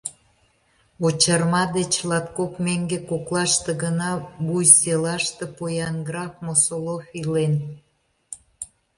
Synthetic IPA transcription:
ot͡ɕɑrmɑd̪et͡ɕlɑt̪̚kokmeŋɡekoklɑʃt̪ĕɡənɑbujselɑʃt̪epojɑnɡɾɑfmosolofilen

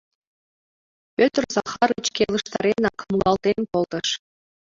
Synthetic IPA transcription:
pʲøt̪rzɑχɑɾɯt͡ɕkʲelˠə̆ʃt̪ɑɾʲenɑkʰmlˠɑlˠt̪enkolˠt̪ɤ̆ʃ

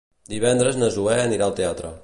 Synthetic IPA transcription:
d̪iβɛnd̪ɾəznəzuɛəniɾaəlˠt̪eat̪ɾə̰

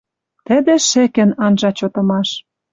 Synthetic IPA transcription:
t̪ə̆d̪ĕʃĕkĕnɑnʒɑt͡ɕot̪ɤ̆mɑʃ

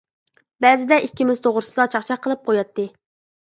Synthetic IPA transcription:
bɛzɪd̪ɛikʲːimɪz̥t̪ʰoʁɾɨsɨd̪ɑt͡ʃʰɑχt͡ʃʰɑqʰəlˠɨp̚qʰojɑt̪ːɨ

